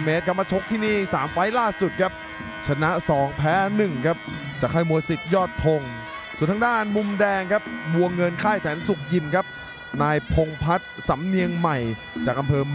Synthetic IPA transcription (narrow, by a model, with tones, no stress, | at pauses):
meː˦˥t̪̚ka˧˩mːaː˧t͡ɕʰo˦˥k̚t̪ʰiː˥˩niː˥˩saː˩˦mfa˦˥jlaː˥˩su˨˩t̪̚kʰa˦˥p̚ | t͡ɕʰa˧na˦˥ʔsɔː˩˦ŋpʰɛː˦˥nɯ˨˩ŋkʰa˦˥p̚t͡ɕaː˨˩kʰːaː˥˩jmu˧əsi˨˩t̪̚jɔː˥˩t̪̚p̪ʰo˧ŋ | su˨˩nt̪ʰːdaː˥˩nmu˧mdɛː˧ŋkʰa˦˥p̚mu˧əŋːɤ˧nkʰaː˥˩jsɛː˩˦nsu˨˩k̚ji˨˩nkʰa˦˥p̚ | naː˧jpʰo˧ŋpʰa˦˥t̪̚sa˩˦mni˧əŋma˨˩j | t͡ɕaː˨˩k̚ʔa˧mpʰɤː˧